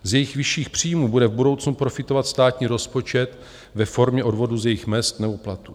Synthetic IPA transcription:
zjɛjɪxvɪʃiːxpr̝̥iːmuːbudɛvbudo̞wt͡snupɾofɪt̪o̞vat̪st̪aːt̪ɲiːɾo̞spo̞t͡ʃɛt̪ | vɛfo̞ɾmɲɛʔo̞dvo̞duzjɛjɪxmɛst̪nɛbo̞plat̪u

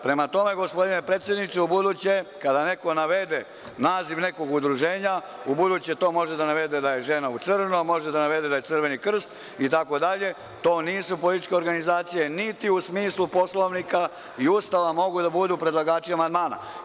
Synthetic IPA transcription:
pɾe̞mat̪o̞me̞ɡo̞spo̞d̪ine̞pɾeːt̪sjed̪nit̪seubud̪ut͡ɕekad̪ane̞ko̞naʋe̞d̪e | naːziʋne̞ko̞ɡud̪ɾuʒeːɲaubud̪ut͡ɕe̞t̪o̞ːmo̞ʒed̪anaʋe̞d̪e̞d̪aje̞ʒe̞naut̪sɨrnomo̞ʒed̪anaʋe̞d̪ed̪aje̞t̪sr̩ʋe̞nikr̩st̪ | it̪̬ako̞d̪aʎe̞ | t̪o̞ːniːsupo̞lit̪i̥t͡ʃkʲe̞o̞ɾɡanizaːt̪sije̞nit̪iusmiːslupo̞slˠo̞ʋnika | iuːst̪aʋamo̞ɡud̪abud̪upɾedlˠaɡaːt͡ʃiamand̪maːna̰

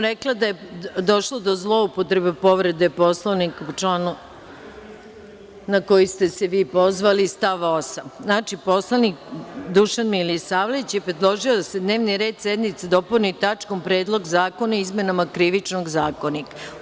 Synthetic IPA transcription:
ɾeklˠad̪ajed̪o̞ʃlˠod̪o̞zlˠo̞upot̪ɾe̞bepo̞ʋɾe̞d̪epo̞slˠoʋnikt͡ʃlanu | ako̞jist̪e̞seʋiːpo̞zʋalist̪aʋosanaːt͡ʃipo̞slˠanikd̪uʃanmilisaːʋleʋit͡ɕjepɾed̪lˠoʒio̞d̪ased̪ne̞ːʋniɾe̞ːd̪sed̪mit̪sad̪o̞punit̪at͡ʂkompɾe̞ːd̪lˠo̞ɡzaːko̞naizme̞namakɾiʋit͡ʃnoɡzaːko̞nika

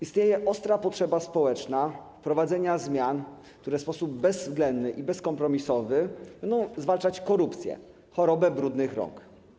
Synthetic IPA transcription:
ist̪ɲejɛʔɔst̪ɾapɔtʂɛbaspɔwɛt͡ʂnafpɾɔvad̪zɛɲazmʲjan | kt̪uɾɛspɔsub̚ːɛzvɡlɛnd̪nɘʔibɛskɔmpɾɔmʲisɔvɘbɛnd̪ɔ̃w̃zvalt͡ʂat͡ɕkɔɾupt̪sʲjɛ̰ | xɔɾɔbɛbɾud̪nɘxɾɔ̰ŋk

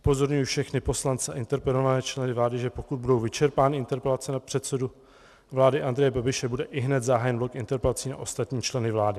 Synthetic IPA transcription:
ʔu̥po̞zo̞ɾɲujɪfʃɛxnɪpo̞slant͡sɛa̰ʔɪnt̪ɛɾpɛlovanɛːt͡ʃlɛnɪvlaːdɪʒɛpokud̪̚budo̞wvɪt͡ʃɛɾpaːnɪʔɪnt̪ɛɾpɛlat͡sɛnapr̝̥ɛt̪sɛdu | vlaːdɪʔand̪ɾɛjɛbabɪʃɛbudɛʔɪɦnɛt̪zaɦaːjɛnblokʔɪnt̪ɛɾpɛlat͡siːna̰ʔo̞st̪at̪ɲiːt͡ʃlɛnɪvlaːdɪ

